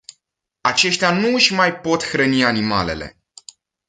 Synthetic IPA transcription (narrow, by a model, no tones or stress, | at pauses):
at͡ʃe̞ʃt̪eanuɨʃʲmajpo̞t̪xɾənianimale̞̰le̞̰